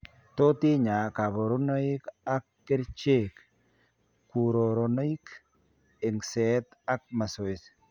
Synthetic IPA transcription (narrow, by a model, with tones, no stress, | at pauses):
to˦tɪ˦ɲa˨ka˨bɔ˨ɾo˦nɔ˦ɪ˦ka˦kːe˦ɾt͡ʃe˦˨k | ku˨ɾo˨ɾɔ˨no˦i˦k | ɪ˨ŋsɛ˨˦ta˦k̚ma˨so˨ɪ˨s